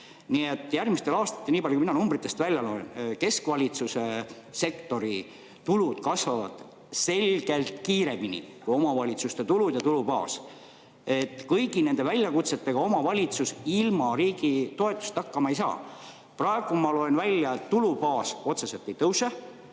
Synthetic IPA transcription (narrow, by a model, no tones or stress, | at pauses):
nie̞t̪ːˑjærɡmist̪e̞lɑːst̪ɑ̥t̪ːeniːpɑljukuminɑnumbrit̪ːˑe̞st̪vælʲjɑloenke̞skvɑlʲit̪suse̞se̞kt̪o̞ɾi | t̪ulud̪̥kɑsvɑvɑ̰d̪̥ | se̞lʲɡ̥e̞lt̪kiːɾe̞minʲḭkujo̞mɑvɑlʲit̪sust̪e̞t̪ulud̪jɑt̪ulupɑ̰ːs | e̞t̪kɤjɡine̞nd̪e̞vælʲjɑkut̪se̞t̪ːe̞ɡ̥ɑo̞mɑvɑlʲit̪susilmɑɾiːɡit̪o̞e̞t̪ːˑu̥st̪ɑkːɑmɑejsɑ̰ː | prɑe̞ɡ̥umɑlo̞e̞nvælʲːjɑet̪t̪ulupɑːso̞t̪se̞se̞lt̪ːˑe̞jt̪ɤwse